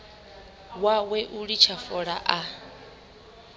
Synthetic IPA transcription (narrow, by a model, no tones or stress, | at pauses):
wawɛʔuɺit͡ʃʰafɔɺaʔa